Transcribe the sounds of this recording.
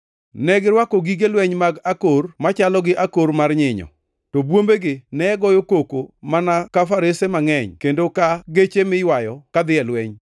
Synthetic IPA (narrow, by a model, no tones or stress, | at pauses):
nɛɡɪɾwakɔɡiɡelwɛɲmaɡakormat͡ʃalɔɡɪʔakoɾmarɲɪɲɔ̰ | tɔbwombeɡɪnɛɛɡɔjokokomanakafaɾesemaŋɛɲkendokaɡet͡ʃemɪjwajɔkad̪ɪɛlwɛɲ